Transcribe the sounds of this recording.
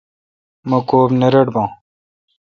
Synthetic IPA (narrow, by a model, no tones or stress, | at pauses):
mɐkoːbnɐɾɐɖbãː